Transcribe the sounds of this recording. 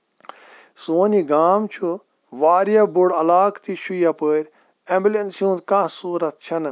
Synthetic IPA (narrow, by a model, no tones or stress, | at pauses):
soːniɡaːmt͡ʃʰu | ʋaːɾijɐbuɽɐlaːkt̪iʃʰujapəːɾʲ | ẽmbʲilensjũːnt̪kãsuːɾɐt̪̚t͡ʃʰɐn